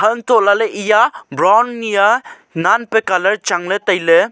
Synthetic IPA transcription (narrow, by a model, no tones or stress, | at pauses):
hɐntolaleʔijabɾawnːija | nanpekalɐɾt͡ʃaŋlɯtɐjlɯ